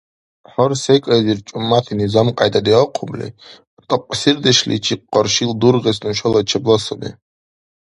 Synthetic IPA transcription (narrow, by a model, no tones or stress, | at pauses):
ħɔɾsɛkʼɛziɾt͡ʃʼumːat̪ʰinizamqʼajd̪ad̪iqʰublḭ | t̪ʼɔpʼsiɾd̪ɛʃlḭt͡ʃʰiqʼːɔɾʃild̪uɾʁɛs̬nuʃɔlat͡ʃʰɛblasɔnḭ